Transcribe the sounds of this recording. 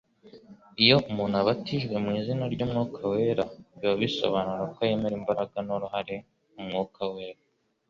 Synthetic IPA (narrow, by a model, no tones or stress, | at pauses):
ijo̞umuːnhaβatiʒɡwe̞mŋiːzinaɾɟomŋokʰawe̞ːɾaβiβaβiso̰βanuɾakwaje̞me̞ɾimbaɾaɡanoɾuhaɾe̞ | umŋoːkʰawe̞ːɾa